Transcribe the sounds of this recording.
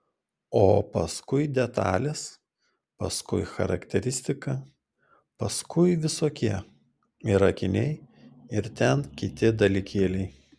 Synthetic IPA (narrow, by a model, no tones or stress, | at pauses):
oːpɐskʊɪd̪ʲɛt̪ɑ̰ːlʲɪs | pɐ̰skʊ̰ɪxɐ̰ɾɐ̰kt̪ʲɛɾʲɪsʲt̪ʲɪkɐ | pɐskʊɪʋʲɪsoːkʲiɛ | iɾɐkʲɪnʲɛɪ | ɪɾt̪ʲɛnkʲɪt̪ʲɪd̪ɐlʲɪkʲeːlʲɛɪ